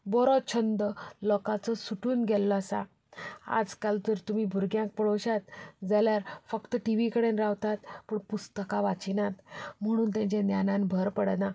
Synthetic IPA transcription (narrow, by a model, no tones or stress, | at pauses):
bɔɾɔt͡ɕʰənd̪əlɔkat͡sɔsuʈuːnɡʱɛlːɔasa̰ | a̰d͡zkalt̪əɾt̪um̤iːbʱuɾɡjãŋk̚pəɽoɕat̪d͡zaljaɾfəkt̪əʈiʋikəɽenɾaʋt̪at̪pəːɳpust̪əkaʋat͡ɕinat̪m̤əɽ̃uːnt̪jãɲt͡ɕãnjanãnbʱəɾpəɽna